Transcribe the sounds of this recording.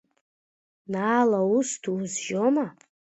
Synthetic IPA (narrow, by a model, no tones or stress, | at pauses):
naːlaustʰuzʒoma